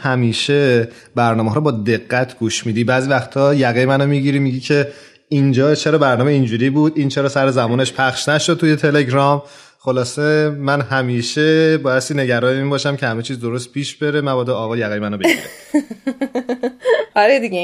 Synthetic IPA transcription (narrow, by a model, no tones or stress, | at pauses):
hæmiːʃe | bæɾnɒːmeɦɒːɾɔbɒːd̪e̞ɣːæt̪ʰɡ̥uːʃmiːd̪iːbæːziːvæxt̪ʰɒːjæɣemænomiɟiɾiːmiːɟiːcʰe̞ | ind͡ʒɒːt͡ʃʰe̞ɾɒːbæɾnɒːmeind͡ʒuːɾiːbuːd̪ʔiːnt͡ʃʰeɾɒːsæɾezæmɔːne̞ʃpʰæχʃnæʃod̪̚t̪ʰujet̪ʰe̞le̞ɟɾɒːm | xo̞lɒːse̞mænɦæmiːʃe̞bɒːjæst̪iːne̞ɟæɾɒːjeiːnbɒːʃæmcʰe̞hæmet͡ʃʰiːzd̪o̞ɾost̪̚pʰiːʃb̥e̞ɾemæbɒːd̪eɒːɣɒːjæɣejemænobeiɾe | ɒɾed̪iɡe